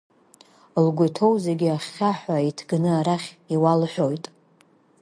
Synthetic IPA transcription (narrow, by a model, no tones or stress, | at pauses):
lɡʷʊtʰo̞wzeɡʲiaχʲːaħʷᶣaitʰɡnɨaɾaχʲiwalħʷᶣo̞jtʼ